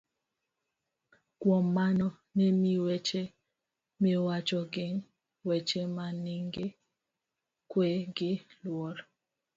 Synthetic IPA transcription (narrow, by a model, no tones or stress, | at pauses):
ɡ̥wɔmːanɔ | nemiwɛt͡ʃe | miwat͡ʃɔɡɪŋ | wɛt͡ʃemaniŋɡe | kweɡɪlwɔɾ